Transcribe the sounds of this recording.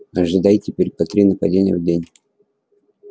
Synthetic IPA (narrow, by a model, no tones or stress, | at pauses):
ɐʐɨd̪ajtʲɪpʲeɾʲpɐt̪ɾʲinəpɐdʲenʲɪjə̰vdʲenʲ